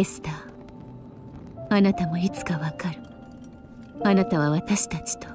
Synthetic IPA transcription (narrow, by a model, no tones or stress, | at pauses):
esɨ̥t̪aː | anat̪amo̞it͡sɨ̥kaβakaɾɯ̟ | anat̪aβaβat̪aɕi̥t̪at͡ɕi̥t̪o̥